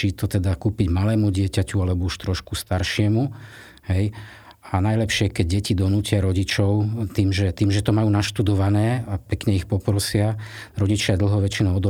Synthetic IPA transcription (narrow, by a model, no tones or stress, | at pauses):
iːt̪ɔt̪ɛd̪akuːpiɟmalɛːmuɟɪɛcacualɛbɔuʃt̪ɾɔʃkust̪aɾʃɪɛmu | ɦɛj | anajlɛpʃɪɛkɛɟ̚ɟɛcid̪ɔnuːcɪaɾɔɟit͡ʃɔʊt̪iːmʒɛt̪iːmʒɛt̪ɔmajuːnaʃt̪ud̪ɔʋanɛːapɛkɲɛixpɔpɾɔsɪa | ɾɔɟit͡ʃɪad̪l̩ˠɦɔʋɛt͡ʃinɔɔd̪ɔ